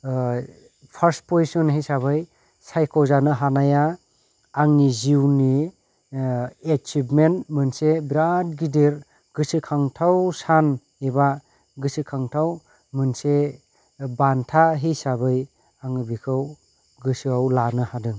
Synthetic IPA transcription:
pʰaɾs̚pozisɔnɦijsaβɯj | sajkʰɔwzanɯɦanajaː | ŋiziwni | et͡ʃipmenmɯnsebɾat̚ɡidiɾ | ɡɯsɯkʰaŋtʰawsan | eba | ɡɯsɯkʰaŋtʰaw | mɯnse | bantʰaɦisabɯj | aŋɯbikʰɯw | ɡɯsɯawlanɯhadɯ

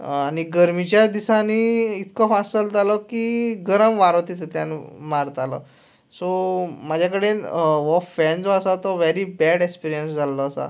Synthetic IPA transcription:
aɽ̃iɡəɾmit͡ɕjad̪isaniit̪ʰkɔfasəld͡z̪alɔkiɡəɾəmʋaɾot̪it̪t̪janmaɾt̪alɔ̰ | sɔmad͡ʑʱjakəɽeʋɔfːɛnd͡zɔəsat̪ɔʋeɾibɛɽekspiɾijənsd͡zʱallɔːsa̰

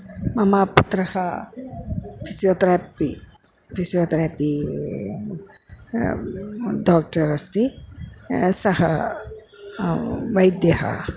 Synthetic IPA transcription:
mɐmaput̪ɾɐhɐ | fʰisijoːt̪ɾaːpi | fʰisijoːt̪ɾaːpi | ɖaːk̚ʈɐɾɐst̪i | sɐhɐ | ʋɐjd̪jɐhɐ̰

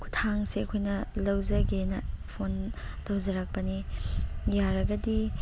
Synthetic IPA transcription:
kʰu̥tʰaŋseɐkʰojnɐlɐwzɐɡenɐpʰon | tʰɐwzɐɾɐk̚pɐni | jaɾɐɡɐdi

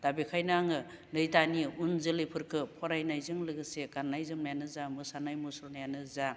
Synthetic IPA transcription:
d̥abikʰajnaŋɯlɯjtaniunzɯlɯjpʰɯɾkʰɯpʰɔɾajnajzɯŋlɯɡɯseɡanːajzɯmnajanɯzamɯsanajmusɔnajanɯza

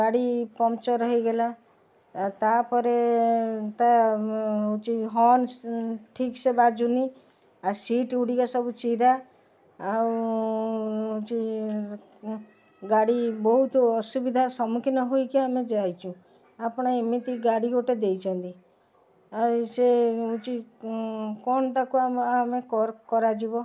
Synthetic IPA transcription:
aɽipɔmt͡ʃɔɾɔɦiɡela | t̪apɔɾe | t̪a | ut͡ʃiɦɔnʈʰiksebad͡ʒuni | asiʈuɽikasɔbut͡ʃiɾa | a | t͡ʃi | ɡaɽibɔɦut̪ɔsubid̪ʱasɔmukʰinɔɦoikiamed͡ʒajt͡ʃʰũ | apɔɽ̃aemit̪iɡaɽikoʈed̪ejt͡ʃʰɔnt̪i | aseut͡ʃi | kɔnɔt̪akuaamekɔkɔɾad͡ʒibɔ

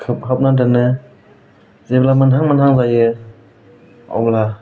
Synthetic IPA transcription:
kʰɯp̚ɦap̚nadɯnɯ | zeblamɯnɦaŋmɯnɦaŋzajɯ | a̰wla

